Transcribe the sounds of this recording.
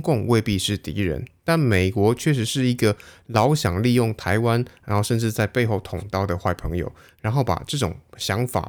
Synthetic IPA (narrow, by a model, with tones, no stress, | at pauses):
kʊ˥˧ŋwe˥˧ɪpi˥˧ʂɻ̩˥˩t̪ḭ˧˥ɻə̰˧˦nt̪a˥˩nme˨˩ɪkwɔ˧˥t͡ɕʰɥɛ˥˩ʂ̬ɻ̩˧˥ʂɻ̩˥˩i˧˥ɡə˨lɑ˧˥ʊɕjɑ˨˩ŋli˥˧jʊ˥˩ŋt̪ʰa˧˥ɪwa˦nɻa˨˧˥nxo˥˧ʊʂə˥˧nʈ͡ʂɻ̩˥˧t͡sa˥˧ɪpe˥˧ɪxo˥˩ʊt̪ʰʊ˨˩ŋt̪ɑ˥˩ʊd̪ə˨xwa˥˩ɪpʰɤ˧˥˦ŋjo̰˨˩ʊ | ɻa˧˥nxo˥˩ʊpa̰˨˩ʈ͡ʂɤ˥˩ʈ͡ʂʊ̰˨˩ŋɕjɑ˧˥ŋfa̰˨˩